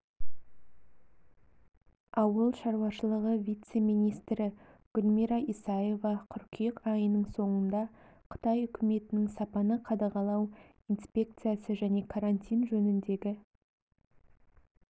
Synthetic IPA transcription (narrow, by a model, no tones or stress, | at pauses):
ɑwəlˠʃɑɾwɑʃəlˠəʁəvʲijt̪se̞mijnʲijst̪ɾɪ | ɡ̥ʊlʲmiɾɑʔisɑje̞vɑqʰʏɾkʲʰijəqɑjənəɴso̞ɴənd̪ɑqʰə̥t̪ɑjʏkʲʰɪme̞t̪ɪnɪŋsɑpɑnəqʰɑd̪ɑʁɑlˠɑw | inspʲe̞k̚t̪sɨijasəʒæne̞kʰaɾanʲt̪ʲijnʒɵnɪnd̪e̞ɡʲɪ